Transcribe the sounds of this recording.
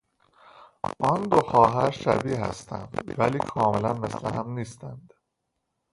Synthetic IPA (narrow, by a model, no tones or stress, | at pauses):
ʔɒnd̪oxɒːɦæɾʃæ̰biːɦæ̰st̪ʰæ̰nd̪væliːkʰɒːmelænmesleɦæmniːst̪ænd̪̥